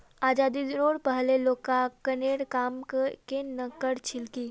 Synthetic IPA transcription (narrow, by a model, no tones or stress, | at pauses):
aːd͡ʒaːd̪id̪noːɽpəɦleloːkakəneːɽkaːmkkenɐkəɽt͡ʃʰɪlki